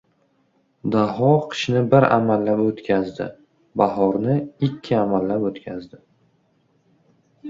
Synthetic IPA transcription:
d̪aɦɒqʰɨ̥ʃnɪbɪɾa̰malːapot̪kʲʰazd̪ɪ̰ | bahɒɾnɪɪkʲʰːɪamalːapot̪kʲʰazd̪ɪ

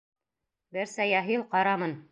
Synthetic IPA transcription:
bɘɾsæjɑɦilˠqɑɾɑmɤn

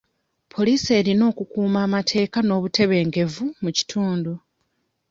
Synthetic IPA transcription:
pʰo̞liːse̞ːɾino̞ːkukuːmaːmatʰe̞ːkano̞ːβute̞βe̞ːŋɡe̞vumuci̥tʰuːndu

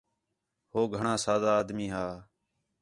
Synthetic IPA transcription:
hoːɡʱəɳãːsaːd̪aːd̪miːɦaː

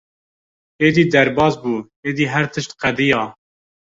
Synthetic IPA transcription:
eːd̪iːd̪ɛɾbɑːzbuː | eːd̪iːɦæɾt̪ʰɨʃt̪qæd̪ijɑː

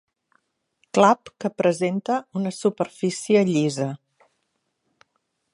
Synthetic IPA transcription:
klapkəpɾəzent̪əunəsupəɾfisiəʎizə

